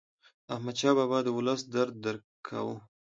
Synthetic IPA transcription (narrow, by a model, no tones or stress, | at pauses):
ahmad̪ʃɑbɑbɑd̪əwʊləsd̪aɾd̪̚ːəɾkʰa̰wu